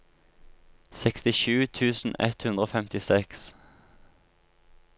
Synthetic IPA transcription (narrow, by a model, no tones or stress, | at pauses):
sɛkst̪ɪʃʉːt̪ʰʉːsn̩ɛ̰t̪hʉnd̪ʁoːfɛmt̪ɪsɛks